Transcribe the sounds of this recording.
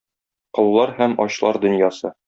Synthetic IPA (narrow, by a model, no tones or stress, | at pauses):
qɤ̆lˠulˠɑɾhæmɒɕlˠɑɾd̪ɵ̆njɑsɤ